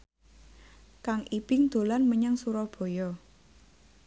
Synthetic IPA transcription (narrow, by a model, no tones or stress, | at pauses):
kaŋʔib̥ɪŋd̪̥o̤lanməɲaŋsuɾɔhb̥ɔ̤jɔ